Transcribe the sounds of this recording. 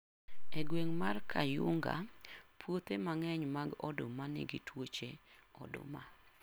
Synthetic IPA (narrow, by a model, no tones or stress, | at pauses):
ɛɡweŋmarkʰajʊŋɡa̰pʰwot̪emaŋɛɲmaɡɔ̰domanɪ̰ɡɪtwot͡ʃe | ɔ̰do̰ma̰